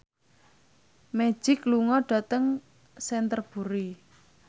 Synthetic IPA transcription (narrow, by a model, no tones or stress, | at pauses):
mɛ̥ʒ̥ɪkluŋɔɖ̥a̤t̪əŋ | sɛnt̪ərb̥ṳɾi